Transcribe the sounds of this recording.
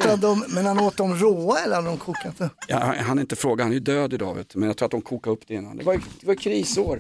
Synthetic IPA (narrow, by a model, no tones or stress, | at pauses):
t̪ad̪ɔmmɛnhanoːt̪ːɔmɾoːaɛlːəɾhad̪ɾɔmkʰuːkat̪əjɑ̰ɦanɛɾɪnt̪əfɾoːɡahanæjʉd̪øːd̪ɪd̪ɑ̰ːvʉ̰ːt̪mɛnjakt̪ʰuːat̪d̪ɔmkʰuːkaɾɵpːd̪ɛɪnːa̰nd̪ɛvajd̪̥ɛvajʏkʰɾiːsoːɾ